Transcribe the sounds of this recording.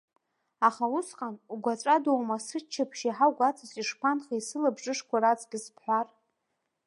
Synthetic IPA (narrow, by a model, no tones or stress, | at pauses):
aχausqʼanuɡʷat͡sʷʼadowmasɨt͡ʃʰːapʰʃiħawɡʷat͡sʰʼasiʂpʷʰanχaisɨlabʐɨʂkʷaɾat͡sʼɡʲɪspʰħʷar